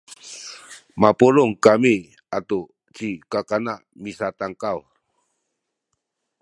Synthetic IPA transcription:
mapuluŋkami | at̪u | t͡ʃikakanaʔmisat̪aŋkaw

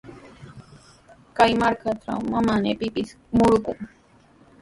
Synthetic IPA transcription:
kajmaɾkʰat̪ʰɾa̰wmamanepipis | mʊɾʊkʊm

